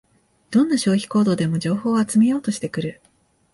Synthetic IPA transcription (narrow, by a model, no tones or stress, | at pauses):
d̪̥õ̞nːaɕo̞ːçʲi̥ko̞ːd̪o̞ːd̪e̞mo̞d͡ʑo̞ːho̞ːat͡sɨme̞jo̞ːt̪o̞ɕi̥t̪e̞kɯ̟ɾɯ̟